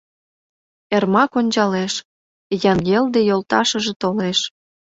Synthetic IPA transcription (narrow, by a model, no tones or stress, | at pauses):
ermɑkonʲt͡ɕɑleʃ | jɑnɡeld̪ejolt̪ɑʃə̆ʒĕt̪oleʃ